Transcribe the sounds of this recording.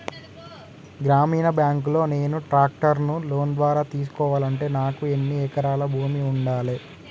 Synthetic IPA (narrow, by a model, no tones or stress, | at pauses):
ɡɾaːmiːnɐbjaːŋklo̞ːne̞ːnuʈɾaːk̚ʈɐɾnulo̞ːnd̪ʋaːɾaːt̪iːs̬u̥kɔːʋaːlɐɳʈe̞ːnaːkue̞nːiɛːkɐɾaːlɐbʱuːmiuɳɖaːleː